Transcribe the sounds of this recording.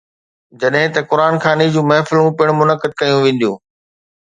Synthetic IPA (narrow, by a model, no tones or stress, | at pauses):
d͡ʑɐɗɦɪ̃t̪ɐkʊɾaːnxaːnid͡ʑũːmɛɦfɪlũpɪɽ̃mʊnəkəd̪̚kɐjũʋẽːn̆d̪jũː